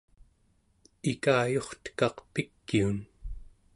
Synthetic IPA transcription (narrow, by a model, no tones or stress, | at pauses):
ikaːjo̞χt̪ə̥kɑqpikːiun